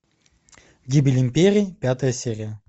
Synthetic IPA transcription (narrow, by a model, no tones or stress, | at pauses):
ɡʲibʲɪlʲɪmʲpʲeɾʲiːpʲat̪əjəsʲeɾʲɪjə